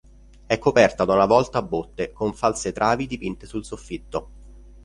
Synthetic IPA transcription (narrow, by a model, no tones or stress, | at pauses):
ɛkːopɛrt̪ad̪aunavɔlt̪aːbːot̪ːekoɱfalset̪ɾʔaːvid̪ipint̪esulsofːit̪ːo